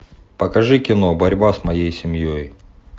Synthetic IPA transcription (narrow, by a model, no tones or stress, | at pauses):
pəkɐʐɨkʲɪnobɐɾʲbasmɐjejsʲɪmjoj